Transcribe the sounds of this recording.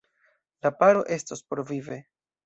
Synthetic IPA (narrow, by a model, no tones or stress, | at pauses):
lapaɾo̞̰ʔe̞stospoɾvive̞